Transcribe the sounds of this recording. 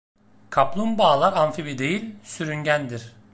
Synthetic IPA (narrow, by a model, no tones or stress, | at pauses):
kʰaplˠumbaːlˠaɾanfibid̪e̞jilʲsyɾynɟænd̪iɾ̥